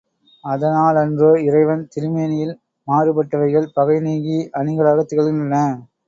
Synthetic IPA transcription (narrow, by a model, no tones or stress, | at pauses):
ɐðɐnaːlɐndrɯɪrɐɪʋɐnt̪ɪɾɯmeːnɪjɪl | maːrɯpɐʈːɐʋɐɪɣɐɭpɐɣɐɪniːɡiʔɐnɪŋɡɐɭaːɣɐt̪ːɪɣɐɭɣɯnɐlːɐ